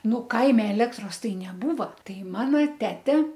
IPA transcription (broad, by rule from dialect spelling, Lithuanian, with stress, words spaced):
ˈnʊ ˈkɐɪmʲɛ ɛˈlʲæːktroːs ˈtɐɪ nʲɛˈbuːʋɐ ˈtɐɪ ˈmɑːnɐ ˈtʲæːtʲɛ